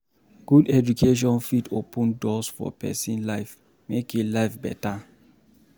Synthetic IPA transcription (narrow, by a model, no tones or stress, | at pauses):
ɡ̥udɛd͡ʒukʰeʃ̬ɔ̃nfitʰopə̃ndɔsfɔ̰pʰɛ̰sĩnlaɪf | mekulaɪfbɛ̰ta